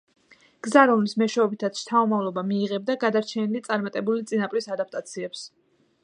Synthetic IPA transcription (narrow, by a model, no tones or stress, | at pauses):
ɡ̥zaɾɔmlismɛʃɛɔbit̪ʰat̪sʰʃt̪ʰaɔmavlˠɔbamiːʁɛb̚d̪aɡad̪aɾt͡ʃʰɛnilit̪sʼaɾmat̪ʼɛbulit̪sʼinapʼɾisad̪ap̚ʰt̪ʼat̪sʰiɛps